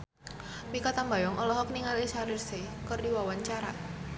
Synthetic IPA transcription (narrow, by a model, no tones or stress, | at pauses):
pikat̪ambajɔŋɔlɔɦɔk̚niŋalesaɾirsekərdiwawaɲt͡ʃaɾa̰